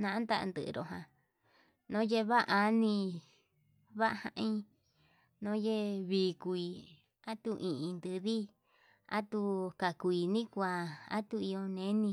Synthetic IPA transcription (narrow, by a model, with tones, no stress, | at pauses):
nã˧˦nd̪a˦ʔnd̪ɨ̰˨˧ɾo˧˨ɦã˨ | nõ˦je˦˧βa˦ʔʔa˧˦nĩ˧ | βa˦ʔhã̰˧ʔĩ˦˧ | nõ˦je˦βiː˧˨kʷu˧i˧ | a˦t̪u˧ʔĩ˧ʔĩ˧nd̪ɨ˧ði˦ | a̰˦t̪u˧ka˨kʷi˧˨nĩ˦kʷa˧˨a̰˦t̪u˧i˧jo˧nẽ˦nĩ˧